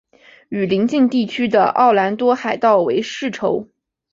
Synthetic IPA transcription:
y˨˩li˧˥ŋt͡ɕi˥˧ŋt̪i˥˩t͡ɕʰy˥d̪ə̰˨ʔɑ˥˩ʊla˧˥nt̪wɔ˥xa˨˩ɪt̪ɑ˥˩ʊwe˧˥ɪʂɻ̩˥˩ʈ͡ʂʰo˧˥ʊ

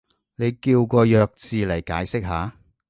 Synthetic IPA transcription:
ne˨˧jkiː˧wkɔː˧jœː˨˧k̚t͡siː˨lɐ˨˩jkaː˨˥jsɪ˥k̚ɦaː˨˧

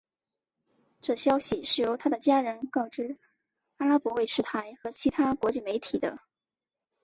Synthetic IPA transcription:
ʈ͡ʂɤ˥˩ɕjɑ˥ʊɕi˨˩ʂɻ̩˥˩jo˧˥ʊt̪ʰa˥d̪ə˨t͡ɕja˥ɻə˧˥nkɑ˥˩ʊʈ͡ʂɻ̩˥ | a˥la˥pwɔ˧˥we˥˩ɪʂɻ̩˥˩t̪ʰa˧˥ɪxɤ˧˥t͡ɕʰi˧˥t̪ʰa˥kwɔ˧˥t͡ɕi˥˩me˧˥ɪt̪ʰi˨˩d̪ə̰˦

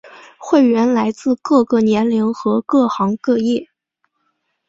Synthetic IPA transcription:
xwe˥˩ɪɥɛ˧˥nla˧˥ɪt͡sɹ̩˥˧kɤ˥˧kɤ˥˩njɛ˧˥nli˧˥ŋxɤ˧˥kɤ˥˩xɑ˧˥ŋkɤ˥˧jɛ˥˩

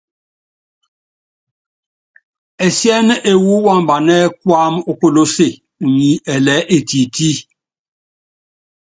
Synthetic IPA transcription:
ɛ˨sjɛ˦n˦ʔe˨wu˦wa˦˨mba˨nɛ˦kwa˦mo˦ko˦˨lo˦se˨ | u˨ɲi˨˦ɛ˨lɛ˨˦ʔe˨ti˨ti˦

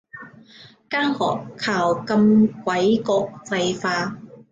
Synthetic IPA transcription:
kaː˥ŋhɔː˨˩kʰːaː˨˩wkɐ˧mkʷɐ˨˥jkɔː˧k̚t͡sɐ˧jfaː˧

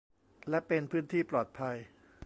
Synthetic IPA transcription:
lɛ˦˥pe˧npʰɯː˦˥nt̪ʰiː˥˩plɔː˨˩t̪̚pʰa˧j

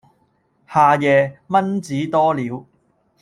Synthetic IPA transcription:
haː˨˧jɛː˨˧mɐ˥nt͡siː˨˥t̪ɔː˥liː˨˥w

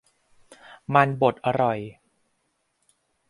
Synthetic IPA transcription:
ma˧nbo˨˩t̪̚ʔa˧ɾɔ˨˩j

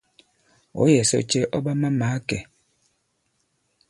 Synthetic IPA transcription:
o̰˨˦jɛ˨sɔ̰˦t͡ʃe˦ʔɔ˦ba˦ma˦maː˨˦kɛ˨

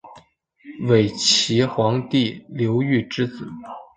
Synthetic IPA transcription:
we˨˩ɪt͡ɕʰi˧˥xwɑ˧˥ŋt̪i˥˩ljo˧˥ʊy˥˩ʈ͡ʂɻ̩˥t͡sɹ̩˨˩˦

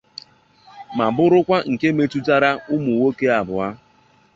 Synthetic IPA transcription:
ma˨bʊ˦ɾʊ˦kʷa˦ŋ̩˨ke˦me˦tu˦ta˦ɾa˦ʊ˦mu˨wo˦ke˦a˨bʊ˨a˦

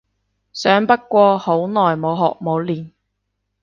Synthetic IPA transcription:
sœː˨˥ŋpɐ˥t̚kʷɔː˧ho˨˥wnɔː˨˩jmo˨˧wɦɔː˨k̚mo˨˧wliː˨˩n

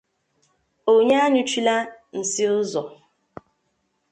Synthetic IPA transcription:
o˨ɲa˦a˦ɲʊ˦t͡ʃi˦la˦n̩˨sɪ˦ʊ˦zɔ˨

